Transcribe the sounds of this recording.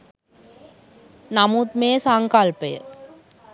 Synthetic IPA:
namut̪meːsaŋkɐlpəjə̰

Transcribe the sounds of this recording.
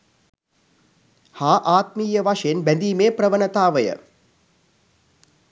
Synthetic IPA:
haːʔaːt̪miːjəʋaʂəjenbænd̪iːmeːprəʋənət̪aːʋəjə̰

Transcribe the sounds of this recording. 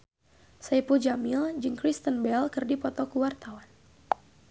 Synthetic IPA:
sajpud͡ʒamild͡ʒɨŋkɾist̪ənbɛlkɨrdipɔt̪ɔkuwart̪awan

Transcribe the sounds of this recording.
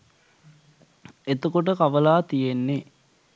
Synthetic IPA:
et̪əkoʈ̬əkaʋəlaːt̪ijenːe

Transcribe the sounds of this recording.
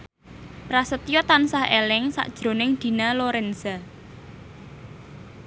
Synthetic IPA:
pɾasət̪ijɔt̪ansahelɪŋsa̰ʔd̥ʒ̥ɾo̤nɪŋd̪̥i̤naloɾɛnsa

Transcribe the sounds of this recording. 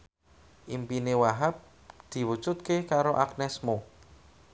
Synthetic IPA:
ʔimpinewaɦap̚ | d̪̥i̤wu̥t͡ʃut̪̚kekaɾoʔak̚nɛsmo

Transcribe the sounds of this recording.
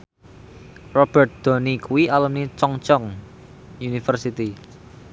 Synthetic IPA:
rɔb̥ɛ̤t̪̚d̪̥o̤nikuwiʔalunit͡ʃɔŋt͡ʃɔŋ | junifərsit̪i

